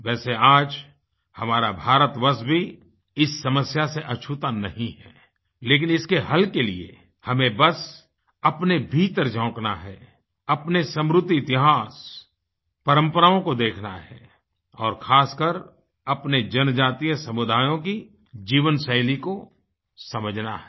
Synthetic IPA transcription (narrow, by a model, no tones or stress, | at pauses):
ʋɛːseaːd͡ʒ | hɐmaːɾabʱaːɾət̪ʋəsbʱi | ɪsːɐməsjaseʔɐt͡ʃʰut̪anɐɦĩɦɛ̰ː | leːk̬ɪnɪskeɦɐlkelḭḛ | hɐmẽbɐs | ɐpnebʱiːt̪əɾd͡ʒɔ̃ːknaɦɛ̰ː | ɐpnesə̃mɾʊt̪ːiɪt̪ɪɦaːs | pəɾə̃mpəɾaːõkod̪eːkʰna̰ɦɛ̰ː | ɔːɾxʰaːskəɾ | ɐpned͡ʒɐnd͡ʒaːt̪ijəsɐmʊd̪ʱaːjõki | d͡ʒiːʋənsəɪliko | sɐməd͡ʒʱna̰ɦɛ